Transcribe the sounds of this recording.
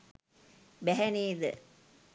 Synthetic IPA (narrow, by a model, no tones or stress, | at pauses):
bɛɦæniːd̪ə̰